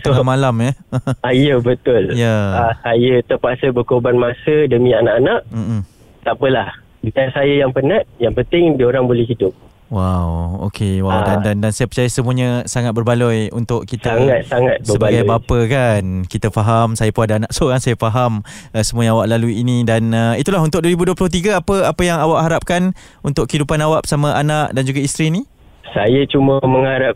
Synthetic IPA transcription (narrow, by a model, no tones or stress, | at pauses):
t̪əŋamalaməaijəbət̪ʊljaasajət̪əpasəbəkobanmasədəmĩanaʔanaʔm̩ʔm̩ | t̪apəlah | bikasajəjaŋpənat̪̚jaŋpənt̪ɪŋdioɾaŋbolɛhɦidʊp̚ | wawo̰kʰewawdandandansajəpərt͡ʃajəsəmũəɲəsaŋat̪̚bərbalɔjṵnt̪ʊʔkit̪aŋat̪̚saŋat̪̚səəbaɡajbapəkankit̪afaɦamsajapuadaanaʔsoɾaŋsajafaɦaməsəmũaɲaawaʔlaluiinidanəit̪ulahunt̪ʊk̚duəɾibuduəplʊht̪̬iɡəapəapəjaŋawaʔɦaɾap̚kan | unt̪ʊkəidupanawaʔsamə̃ʔanaʔdand͡ʒuɡaist̪ɾiːni | sajat͡ʃumaməŋaɾap̚